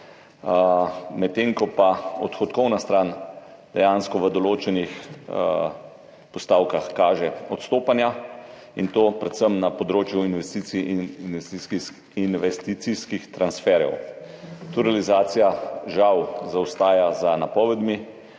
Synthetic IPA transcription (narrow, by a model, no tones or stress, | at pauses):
mɛt̪ːeŋkɔpaɔt̪xɔt̪kɔwnast̪ɾan | d̪̥ɛjanskɔʋəd̪ɔloːt͡ʃɛnix | pɔst̪aːwkaxkaːʒɛɔt̪st̪oːpanja | int̪oːpɾɛt̪səmnapɔd̪ɾoːt͡ʃjuinʋɛst̪iːt̪sinnʋɛst̪iski | inʋɛst̪it̪siskixt̪ɾansfɛɾjɛ̰w | t̪uɾalizaːt̪sijaʒawzawst̪aːjazanapɔʋɛd̪mi